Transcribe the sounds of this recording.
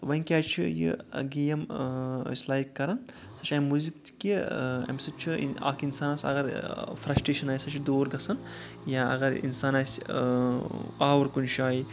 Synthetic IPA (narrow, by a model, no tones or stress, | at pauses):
ʋɐiŋkʲaːt͡ʃʰijḭɡijɐm̰ | slaːikːɐɾɐn | sɐt͡ʃʰaːmuzikt̪i̥kiɐ̰msɐt͡ʃʰḭa̰ːkinsaːnaːsɐ̰ɡɐɾfʰɾɐsʈɾeːʃɐnaːjsɐt͡ʃʰid̪oːɾɡɐsɐn | jaɐ̰ɡɐɾḭnsaːnaːs | aːʋɐɾkunʃaːi